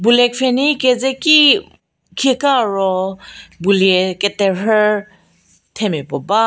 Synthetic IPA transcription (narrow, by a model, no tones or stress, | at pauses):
bulɛk̚fʰɛnikɛzɛki | kʰikaːɹɔ | buliɛkɛtɛɦɛɹ | tʰɛmɛpɔba